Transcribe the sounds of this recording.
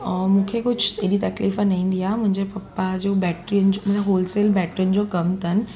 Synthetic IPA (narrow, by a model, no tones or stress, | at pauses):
mũːkʰekʊd͡ʑʱeɗit̪ɐkliːfãnɐ̃ĩːn̆d̪ijamʊ̃ɦɪ̃ɲd͡ʑepɐpːad͡ʑoːbɛːʈɾijənɪ̆d͡ʑomʊ̃eɦoːlseːlbɛːʈənɪ̆d͡ʑokɐmt̪ʰɐnɪ̆